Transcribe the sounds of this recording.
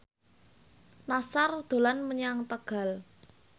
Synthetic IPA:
nasard̪̥o̤lanməɲaŋt̪əɡ̥a̤l

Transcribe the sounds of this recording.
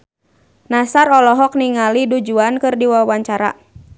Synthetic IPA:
nasaɾɔlɔɦɔk̚niŋalidud͡ʒuankɨrdiwawaɲt͡ʃaɾa̰

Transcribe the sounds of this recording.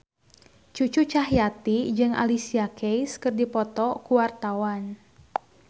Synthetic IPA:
t͡ʃut͡ʃut͡ʃaɦjat̪id͡ʒɨŋʔa̰lisiakʰejskɨrdipɔt̪ɔkuwart̪awan

